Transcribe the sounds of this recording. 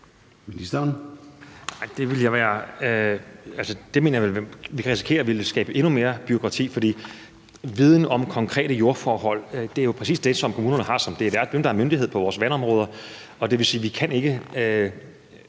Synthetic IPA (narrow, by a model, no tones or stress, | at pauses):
minisd̥ɐn | nɑɪ̰d̥e̝ʋe̝ljɑɪʋæːɐ | ælsəd̥e̝me̝ːnɐjɑʋelʋikʰæʁis̬i̥kʰe̝̰ːɐʋilsɡ̥ɛ̰ːb̥əʔe̝nume̝ːɐb̥yo̝kʰʁɑ̈t͡sʰḭːfɒd̥ḭː | ʋið̞ˠn̩ɒ̽mkʰɒ̽ŋkʰʁɛ̰ːɾ̥əjo̝ɐfɒːhɒ̽l̰d̥e̝æɐjo̝pʰʁɛsḭːsd̥esɒ̽mkʰomuːnɐnəɦɑ̈sɒ̽md̥e̝d̥æɐsd̥emd̥ɑ̈mønd̥iheð̰ˠpʰɒ̽ʋɒːsʋænɒ̽mʁɔːð̞ˠɐ | ɒ̽d̥e̝ʋe̝siːʋikʰæne̝ɡ̥ə